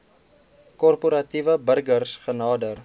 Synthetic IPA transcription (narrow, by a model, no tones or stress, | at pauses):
kɔrpuɾɐtivəbərɡərsχənɑːdər